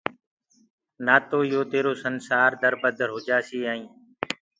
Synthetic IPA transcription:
naːt̪oːjoːt̪eːɾoːsənsaːɾd̪əɾbəd̪ʱəɾɦʊd͡ʒaːsiːaːĩː

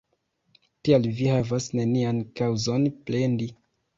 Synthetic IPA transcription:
tialvihavasne̞niankawzo̞nplendi

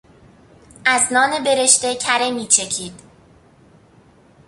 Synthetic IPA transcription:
ʔæznɒːne̞be̞ɾe̞ʃt̪e̞cʰæɾemiːt͡ʃʰe̞cʰiːd̪̥

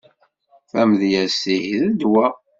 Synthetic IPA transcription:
θæmðjæsihðəd̪wæ

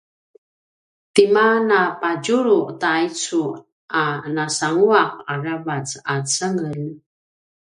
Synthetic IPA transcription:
timanapad͡ʒuɾuʔtait͡su | anasaŋuaq̚aravat͡sat͡səŋəl

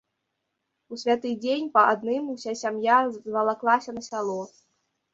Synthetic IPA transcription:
usʲvʲat̪ɨd͡zʲenʲpɐad̪̚nɨmusʲasʲamjazvɐlˠaklˠasʲɐnɐsʲalˠɔ

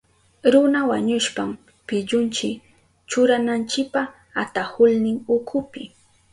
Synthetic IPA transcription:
ɾʊnawaɲʊʃpam | pɪʎʊnt͡ʃɪk | t͡ʃʊɾanant͡ʃɪk̚pa | at̪ahʊlnɪŋʊkʰʊpɪ

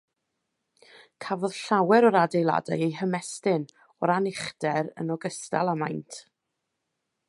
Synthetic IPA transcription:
kʰavɔðɬawɛɾɔɾadejlˠa̰dajejɦəmɛstɪn | ɔɾanɪχdɛɾə̰nɔɡəstalˠama̰jntʰ

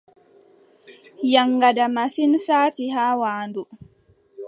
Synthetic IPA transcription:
jaŋːɡadamasinsaːtihaːwaːndu

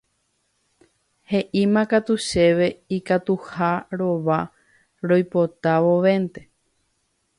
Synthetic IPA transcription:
he̞ʔimãkat̪uʃe̞ʋe̞ikat̪uhaɾo̞ʋa | ɾo̞jpo̞t̪aʋo̞ʋẽ̞nt̪e̞

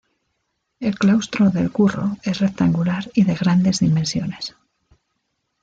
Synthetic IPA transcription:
e̞lklawst̪ɾoðelkuro̞̰e̞sre̞k̚t̪aŋɡulaɾiðe̞ɣ̞ɾand̪e̞zðimensjo̞nes

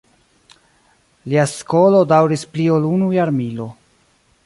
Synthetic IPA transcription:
liaskolo̞dawɾispliolunujaɾmilo̞

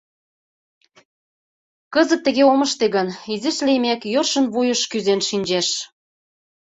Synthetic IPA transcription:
kə̆zə̆t̪ːə̆ɣeomə̆ʃt̪eɣənizə̆ʃlemækjorʃə̆nβujə̆ʃkyzenʃinʲd͡ʑeʃ

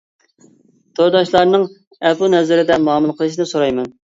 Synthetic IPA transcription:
t̪ʰoɾd̪ɑʃlˠɑɾnɨŋ | ɛpunɛzɪɾɪd̪ɛmɑːmɨlˠqʰəlˠɨʃinɪsoɾɑjmɛn

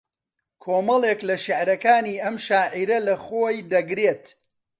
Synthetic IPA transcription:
kʰoːmɐlˠeklɐʃɪʕɾɐkaːniːʔɐmʃaːʕiɾɐlɐχoːjd̪ɐɡɾeːt̪

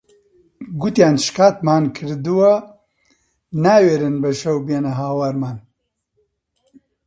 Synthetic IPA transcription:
ɡut̪jaːnʃkaːt̪̚maːnkʰɨɾd̪uwɐ | naːweːɾɨnbɐʃɐwbenɐɦaːwaɾmaːn

